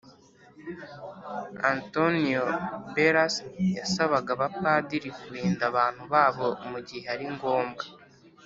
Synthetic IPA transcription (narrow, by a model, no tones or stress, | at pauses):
antoniobeɾasjasaβaɡaβapaːdiɾikuɾiːndaβaːn̥huβaːβo̞muɟihe̞aɾiŋɡo̞ːmɡḁ